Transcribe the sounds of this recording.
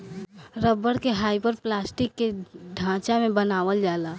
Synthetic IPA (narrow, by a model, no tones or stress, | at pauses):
ɾəbːəɽkeɦaːjpəɾplasʈikːeɖʱãːt͡ʃamẽbənaːʋəld͡ʒala